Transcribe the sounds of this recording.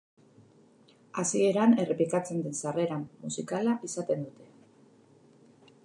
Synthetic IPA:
asie̞ɾane̞re̞plikat͡se̞nd̪ensare̞ɾamːusikalaʔisat̪e̞nd̪ut̪e̞

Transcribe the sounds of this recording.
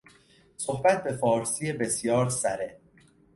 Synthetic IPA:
sohbæt̪̚ʰbe̞fɒːɾsijebe̞sjɒːɾsæɾe

